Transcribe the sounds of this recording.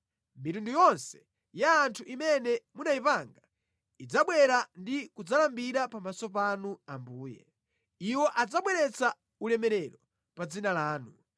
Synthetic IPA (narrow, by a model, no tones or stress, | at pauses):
mitundujɔnsɛ̥ | jaːntʰuʔimɛnɛmunaipaŋɡa | id͡zaɓwɛɾandikud͡zalambiɾapamasɔpanuambuːjɛ̰ | iwɔʔad͡zaɓwɛɾɛt͡sa | ulɛmɛɾɛɾɔ | pad͡zinalaːnu